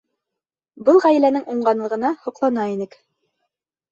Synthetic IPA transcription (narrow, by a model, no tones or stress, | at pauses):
bɤlˠʁæj̆lænɘŋuɴɢɑnlˠɤ̆ʁɤ̆nɑhŏqlˠɑnɑinɘk